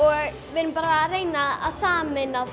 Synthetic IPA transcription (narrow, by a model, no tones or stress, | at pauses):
ɔ | ʋɪnpaɾaɾeŋnaðasaːmɪna